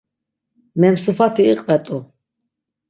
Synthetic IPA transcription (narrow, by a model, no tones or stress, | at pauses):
mɛmsufat̪ʰiːqʼvɛt̪ʼu